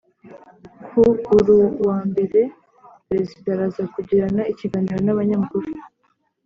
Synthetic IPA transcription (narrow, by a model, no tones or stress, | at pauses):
kʰuuɾuwaːmbe̞ɾe̞ | pɾe̞zidaɾazakuɟiɾanaiciɡaːniɾo̞naβaɲamukuɾu